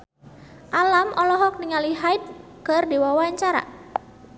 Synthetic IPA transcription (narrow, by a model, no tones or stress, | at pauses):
ʔalamɔlɔɦɔk̚niŋaliɦajt̪̚ | kərdiwawaɲt͡ʃaɾa̰